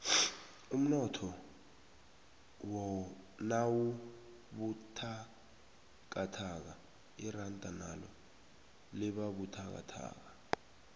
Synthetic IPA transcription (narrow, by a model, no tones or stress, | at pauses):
um̩nɔtʰɔ | wɔnawu | ɓutʰa | k̬atʰak̬a | irantʼanalɔ̰ | liɓaɓutʰak̬a̰tʰa̰ːk̬a